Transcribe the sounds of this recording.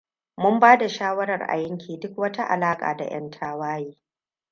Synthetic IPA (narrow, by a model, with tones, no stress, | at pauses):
mʊ˦mbaː˦da˨ʃaː˦wɐ˦ɾɐ˨rʔa̰˨jɐ˦ŋkʲiː˨dʊ˦k̚wɐ˦ta˦ʔa̰˨laː˦kʼa̰ː˨da̰˨j̰ɐ̰˦ntʰaː˦waː˦jiː˦